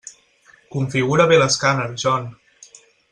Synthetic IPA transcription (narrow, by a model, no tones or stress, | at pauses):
kuɱfiɣuɾəβeləskanəlʒɔn